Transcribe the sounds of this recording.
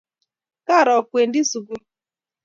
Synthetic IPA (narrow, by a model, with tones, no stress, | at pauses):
ka˦˨ɾɔ˨kʷe˨n̩˦dɪ˦su˨ɡu˦